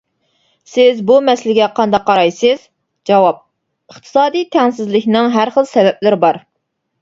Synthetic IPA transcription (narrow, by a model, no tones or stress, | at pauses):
sɪzbumɛslɪɡʲɛqʰɑnd̪ɑqʰːɑɾɑjsɨz̥ | d͡ʒɑwɑp̚ | əχt̪ʰɨ̥sɑːd̪ijt̪ʰɛŋsɪzlɪkʲnɨŋɦæɾχəlˠsɛvɛplɪɾɪbɑɾ